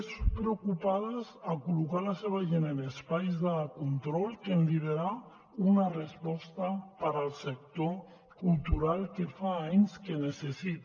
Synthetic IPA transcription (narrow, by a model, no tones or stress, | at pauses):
spɾeokupaðazakulukalaseβaʒenenespajzðakunt̪ɾɔlkenb̪iðeɾa | unarespɔst̪apaɾalsek̚t̪o | kult̪uɾalkefaaɲskenesesit̪